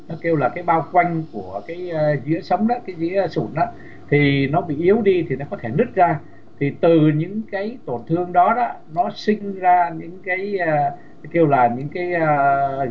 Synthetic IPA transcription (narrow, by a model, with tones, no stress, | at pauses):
nɔ˨˦ke˧wlaː˨˩kaː˨˦jɓaː˧wkwa˧jŋ̟ku˧˩əkaː˨˦jːzḭ˧˥əsə˨˦wŋ͡mɗɔ˨˦kaː˨˦jzḭ˧˥əsṵ˧˩nʔɔ˨˦ | t̪ʰi˨˩nɔ˨˦ɓḭ˧˨ʔi˨˦əwɗi˧t̪ʰi˨˩nɔ˨˦kɔ˨˦t̪ʰe˧˩nɨ˦˥t̚zaː˧ | t̪ʰi˨˩t̪ɨ˨˩ɲɨ̰˧˥ŋkaː˨˦jt̪o˧˩nt̪ʰɨ˧əŋɗɔ˨˦ɗɔ˨˦ | nɔ˨˦sï˧ŋ̟zaː˧ɲɨ̰˧˥ŋkaː˨˦j | ke˧wlaː˨˩ɲɨ̰˧˥ŋkaː˨˦jː